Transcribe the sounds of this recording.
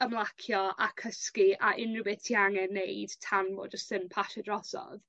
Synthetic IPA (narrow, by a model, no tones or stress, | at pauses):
əmlˠakʰjɔakʰəskiaʔɪnrəbɪtʰiaŋɛnejd̥tʰanvɔ̰ːd͡ʒəstɪnpʰaʃɛdrɔsɔ̰ð